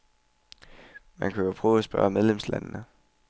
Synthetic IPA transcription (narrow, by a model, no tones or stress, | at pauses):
mænkʰæjopʰʁɔːʊæsb̥ɶɐmeð̞ˠlemslæ̰nnə